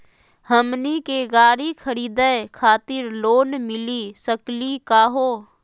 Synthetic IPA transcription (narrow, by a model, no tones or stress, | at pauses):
ɦəmnikeɡaːɾikʰəɾiːd̪əekʰaːt̪ɪɾloːnmɪlisəklikaːɦoː